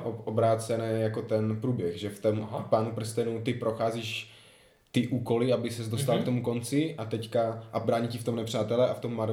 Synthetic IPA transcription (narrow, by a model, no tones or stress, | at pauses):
obɾaːt͡sɛnɛːjako̞t̪ɛnpɾuːbjɛɣʒɛft̪ompaːnupr̩st̪ɛnut̪ɪpɾo̞xaːziːʃ | t̪ɪʔuːko̞lɪabɪsɛzd̪ost̪alkt̪omuko̞nt͡sɪʔat̪ɛckaʔabɾaːɲicɪft̪o̞mnɛpr̝̥aːt̪ɛlɛʔaft̪omːaɾ